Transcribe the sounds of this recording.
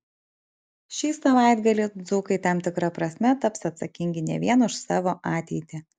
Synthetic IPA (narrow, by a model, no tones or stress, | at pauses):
ʃʲiːsɐʋɑˑɪd̪ɡɐlʲɪd̪zʊkɐɪt̪ɑmt̪ʲɪkɾɐpɾɐsʲmʲɛt̪ɐpsɐt̪sɐkʲɪŋʲɡʲɪnʲɛ̰ʋʲiɛnʊʃsɑːʋoːʔɑːt̪ʲɛɪt̪ʲɪ